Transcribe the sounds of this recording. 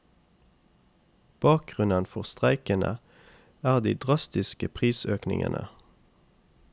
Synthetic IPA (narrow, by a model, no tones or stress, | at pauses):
b̥ɑːk̚ɡ̥ʁʉnənfɔʁst̪ʁæɪkənə̰ | æːʁd̪iːd̪ʁɑst̪ɪskəpʰʁiːsøːknɪ̰ŋə̰nʔə̰